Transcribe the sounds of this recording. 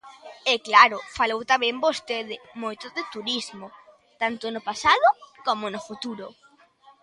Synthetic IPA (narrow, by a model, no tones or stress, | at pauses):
ɛklaɾʊfalowt̪amɛ̃mbost̪eðɪmojt̪ʊðɪt̪uɾizmʊ | t̪ant̪ʊnʊpasaðʊkomonʊfut̪uɾʊ